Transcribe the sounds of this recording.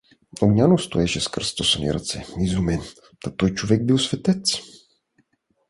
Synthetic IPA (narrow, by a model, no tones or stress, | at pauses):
oɡɲʲanost̪oɛʃɛskərst̪osənḭɾɐ̰t̪sɛizumɛn | t̪at̪ɔjt͡ʃovɛɡ̚bilˠsvɛt̪ɛt̪s